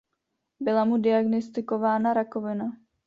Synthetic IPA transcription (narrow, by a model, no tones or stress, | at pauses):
bɪlamudɪaɡnost̪ɪkovaːnaɾakovɪna